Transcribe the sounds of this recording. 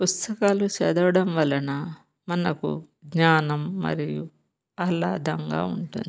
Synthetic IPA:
pust̪ɐkaːlut͡ʃɛːd̪ɐʋɐɽɐmʋɐlːɐnɐ | mɐnɐkṵ | ɡɲaːnɐmːɐ̰ɾiju | aːlaːd̪ɐŋɡa̰ːuɳʈṵnd̪i

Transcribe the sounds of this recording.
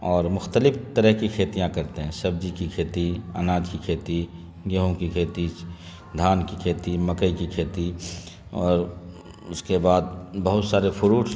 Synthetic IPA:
ɔːɾmʊxt̪əlɪft̪əɾəɦkikʰeːt̪ijãkɐɾt̪eɦɛ̃sɐb̚d͡ʒikikʰeːt̪iɐ̰naːd͡ʒkikʰeːt̪i | ɡəɦõkikʰeːt̪i | d̪ʱaːnkikʰeːt̪imɐkəikikʰeːt̪i | ɔːɾ | ʊskebaːd̪̚bɐɦʊt̪saːɾepʰʊɾuː

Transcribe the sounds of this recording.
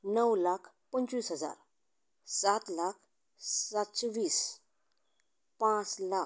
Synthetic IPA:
nəwlakʰ | pəɲt͡sʋiːsɦəd͡za̰ɾ | sat̪lakʰ | satt͡sʋiːs | pãt͡sla

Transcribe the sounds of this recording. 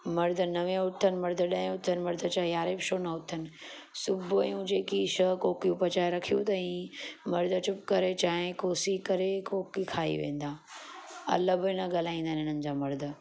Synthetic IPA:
mɐɾd̪ʱənɐʋẽʊʈʰənɪ̆mɐɾd̪ʱəɗɐ̃ɦẽʊt̪ʰənɪ̆mɐɾd̪ʱət͡ɕaːejaːɾeːbʃoːnɐʊt̪ʰənɪ̆sʊbʱɐjũd͡ʑeːkiʃəkoːkijũpɐt͡ɕaːjɾɐkʰijũt̪ɐĩmɐɾd̪ʱət͡ɕʊpkɐɾet͡ɕaːɦɪ̃koːsikɐɾekoːkikʰaːḭʋḛ̃ːnd̪aː | ɐ̰ləbnɐɠal̤aːĩːnd̪aːnɪn̤ənɪ̆d͡ʑaːmɐɾd̪ʱ

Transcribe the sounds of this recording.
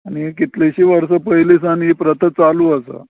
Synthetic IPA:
aɽ̃ikit̪leɕiʋəɾsəpəɦilis̬anipɾət̪ʰət͡saluːəsə̰

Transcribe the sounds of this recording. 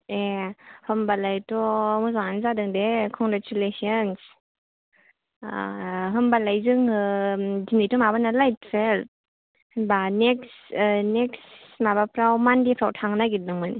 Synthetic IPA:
ehɯmbalajtɔmɔzaŋanzadɯŋdekʰɔŋɡɾat͡ʃulesiɔns | ɦɯmbalajzɯŋɯdinijtɔmabanalajt̚pʰel̚ | hnbaneksneksmabapʰɾawmandipʰɾawtʰaŋnaɡit̚nɯŋmani

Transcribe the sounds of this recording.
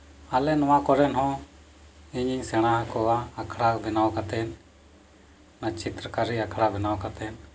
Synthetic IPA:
alɛnɔwakɔɾɛnɦɔ̃ | iɲiɲsɛɽ̃aɦakɔwaːkʰɽabʱɛnawkat̪ɛn | nat͡ʃit̪ɾəkaɾiakʰɽabʱɛnawkat̪ɛn

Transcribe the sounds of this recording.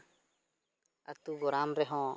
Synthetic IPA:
a̰k̚t̪uɡɔɾaːmɾɛɦɔ̃

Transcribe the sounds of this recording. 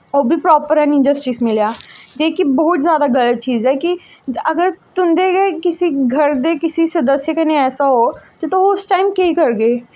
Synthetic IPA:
oːbʱipɾɔːpəɾɛ̃ːnɪ̃nd͡ʒəsʈiːsmɪljaːd͡ʒeːkibɔɦʊt̪zjaːd̪aɡʱɐlət̪̚t͡ʃiːzɦɛːki | ɐɡəɾt̪ʊmd̪eɡekɪsiɡʱɐɾd̪ekɪsisɐd̪əsjəkɐneɛːsaɦoket̪oɦoːsʈaːɪmkeikɐɾɡeː

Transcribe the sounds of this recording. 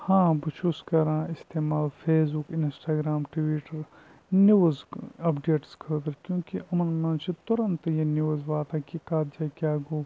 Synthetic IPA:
hãːbɐt͡ʃʰuskɐɾãːɪst̪eːmaːlfʰeːs̬bukɪnsʈaːɡɾaːmʈʋiːʈɐɾ | nuzɐpɖeːʈskʰəːd̪ɐɾkjõːkiʔɐmɐnmɐ̃ːnt͡ʃit̪ʊɾɐnt̪jeniʋzʋaːt̪akikaːt̪d͡ʒakʲjaːɡoː

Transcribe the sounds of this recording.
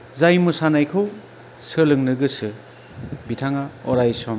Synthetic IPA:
zajmusanajkʰɯw | sɯlɯŋnɯɡɯsɯ | bitʰaŋaɔɾajsɔm

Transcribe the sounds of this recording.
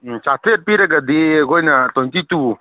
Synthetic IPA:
t͡ʃat̪ʰɾeɾ̚piɾaɡad̪iɡɔjnat̪ɔnt̪itu

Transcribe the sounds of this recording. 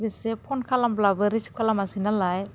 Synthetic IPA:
besepʰɔnkʰalamblabɯɾisi̥p̚kʰalamasinalaj

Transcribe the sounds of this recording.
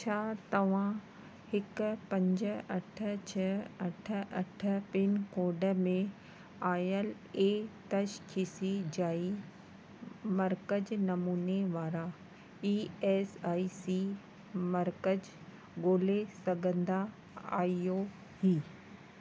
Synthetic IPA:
t͡ɕʰaːt̪ɐʋ̤ã | hɪkʊpɐ̃ɲd͡ʑəɐʈʰə̆t͡ɕʰɐɐʈʰə̆ʔɐʈʰə̆pɪnkoːɖə̆mẽ | aːjəl | eːt̪ɐʃkʰɪsid͡ʑaːi | mɐɾkəd͡ʑnɐmuːneʋaːɾa | iːeːsaːisiː | mɐɾkəd͡ʑ | ɡoːlesɐɡʱə̃nd̪a | a̰ːijo | hiː

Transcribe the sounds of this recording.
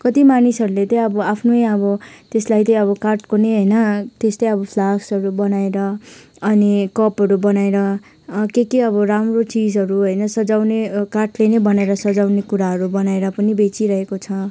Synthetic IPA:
kʌt̪imanisʌɾulet̪ʌ̃ʌbʌapʰnojʌbʌt̪eslajt̪ʌj̃ʌβʌkarʈkoneɦʌjnʌt̪estajʌbʌpʰlaksʌɾubʌnaeɾʌː | nikʌpɦʌɾubʌnaeɾʌ | kekeʌbʌɾamrot͡sid͡zɦʌɾuɦʌjnʌsʌd͡zawnekarʈlenʌbʌnaeɾʌsʌd͡zawnekuɾaɦʌɾubʌnaeɾʌpʌnibet͡siɾʌɦekot͡sʰʌ

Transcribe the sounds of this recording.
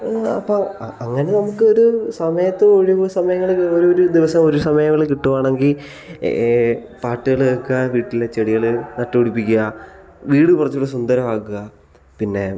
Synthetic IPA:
ɐpːoɐŋːɐne̞nɐmukːɨo̞ɾusɐmɐjɐt̪ːeoɻisɐmɐjɐŋːɐɭoɾuoɾud̪iʋɐsɐmo̞ɾusɐmɐjɐŋːɐɭikiʈːuʋaːɳe̞ŋɡil | paːʈːɨɣɐɭekːuɐʋiːʈːilːet͡ɕeɽiɣɐɭɨnɐʈːɐuɽipːikʲːuɣɐ | ʋiːɽɨpurɐt͡ɕːuɭːɐsund̪ɐɾɐmaːkːuɣɐ | pinːe̞

